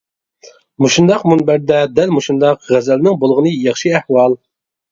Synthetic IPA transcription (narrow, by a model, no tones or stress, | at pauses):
muʃund̪ɑqmunbæɾd̪ɛd̪ɛlmuʃund̪ɑqʁæzɛlnɪŋbolˠʁənɨjɑχʃɨæhwɑlˠ